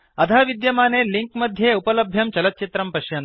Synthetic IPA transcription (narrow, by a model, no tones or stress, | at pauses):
ɐd̪ʱʰaːʋid̪jɐmaːneːliŋkmɐd̪ʱjeːupɐlɐbʱjɐmt͡ʃɐlɐt̪̚t͡ʃit̪ɾɐmpɐʃjɐnt̪